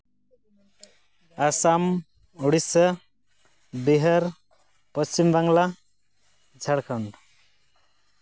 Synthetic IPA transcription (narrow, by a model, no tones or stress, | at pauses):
asam | uɽisʌ | biɦʌɾ | pʌst͡ʃimbaŋla | d͡zʱaɽkʰʌɳ